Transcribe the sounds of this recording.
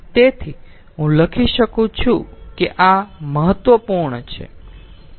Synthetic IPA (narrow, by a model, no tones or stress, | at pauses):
t̪et̪ʰi | ɦũləkʰiʃəkũt͡ʃʰũkeʔaməɦət̪ʋəpuɾɳət͡ʃʰḛ